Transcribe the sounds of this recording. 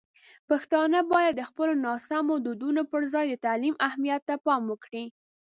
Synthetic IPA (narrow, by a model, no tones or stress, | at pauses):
paxt̪ɑnəbɑjad̪ːəxpəlonɑsamod̪ud̪unopəɾzɑjd̪ət̪alimahmijat̪ːapɑmwəkɽi